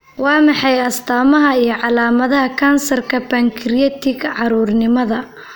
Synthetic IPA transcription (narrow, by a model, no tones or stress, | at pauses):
wɑːmɑħɑjɐst̪ʰaːmɐɦɐijɞʕɑlaːmɐðɐɦɐkʰansɐrkʰɐbɐŋkʰɪɾɪjɛt̪ʰɪɡʕɑɾuːrnɪmɐðɐ